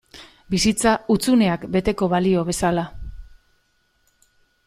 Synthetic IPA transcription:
bisit͡saut͡sune̞akbe̞t̪e̞ko̞βalio̞β̞e̞sala

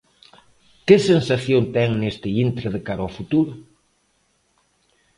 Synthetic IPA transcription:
kɪsensaθjont̪ɛŋnest̪ɪint̪ɾɪðekaɾafut̪uɾʊ

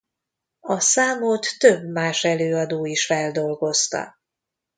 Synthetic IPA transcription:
ɒsaːmoːt̪ːøbmaːʃɛløːɒd̪oːiʃfɛld̪o̞lɡo̞st̪ɒ̰

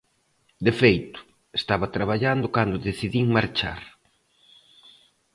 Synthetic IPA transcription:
d̪efejt̪ʊ̥ | est̪aβɐt̪ɾaβ̞aʎand̪ʊkand̪ʊðeθiðiŋmaɾt͡ʃa̰ɾ

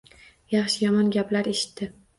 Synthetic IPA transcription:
jɑχʃɪjɒmɒnɡʲaplaɾeʃɪ̥t̪ːɪ

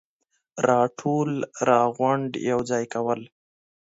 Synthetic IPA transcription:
ɾɑʈʰolɾɑɣwʊɳɖjawd͡zɑjkawəl

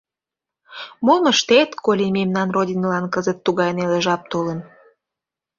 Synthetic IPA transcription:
momə̆ʃt̪et̪kolʲememnɑnrodʲinlɑnkəzət̪ːuɣɑjneleʒɑp̚t̪olə̆n

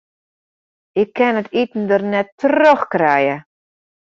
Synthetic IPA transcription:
ɪkʰːɛnətʰitn̩dərnɛtroxkrɛjə

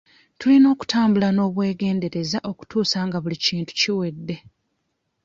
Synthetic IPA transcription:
tulino̞ːku̥taːmbulano̞ːβwe̞ːɡe̞ːnde̞ɾe̞zaʔo̞ku̥tuːsaŋɡaβuliciːntu̥ciwe̞dːe̞

